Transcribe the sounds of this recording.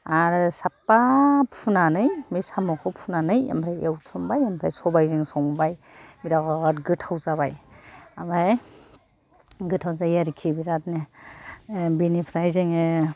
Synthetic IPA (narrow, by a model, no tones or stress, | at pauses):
aɾɯsapːapʰunanɯjmisamɔkʰɔpʰunanɯja̰mpʰɾajewt̪ʰɾumbajampʰɾajsɔbajziŋsɔmbaj | biɾakɡatɡɯtʰawzaβajamaj | ɡɯtʰawzajaɾikʰibiɾatne | binipʰɾajziŋe